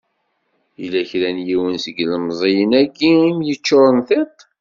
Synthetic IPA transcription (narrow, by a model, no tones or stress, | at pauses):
ilæçɾænjiwənsəɡləmzˤijənæɡiimjət͡ʃːʊɾˤənθet̪ˤ